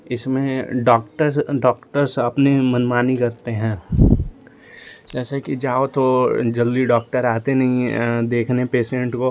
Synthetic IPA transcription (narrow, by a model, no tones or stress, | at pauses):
ɪsmẽɖɔːkʈəɾɖɔːkʈəɾsɐpnemɐnmaːnikɐɾt̪eɦɛ̃ː | d͡ʒɛːsekid͡ʒaːot̪od͡ʒɐld̪iɖɔːkʈəɾaːt̪enɐɦĩd̪eːkʰnepeːsẽɳʈko